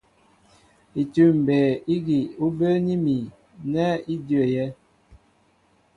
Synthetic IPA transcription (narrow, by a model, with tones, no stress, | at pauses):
i˨tʉ˦˨m̩˨bɛ˨i˦ɡi˨u˦bə˦ni˦mi˨ | nɛ˦i˦djə˨jɛ˦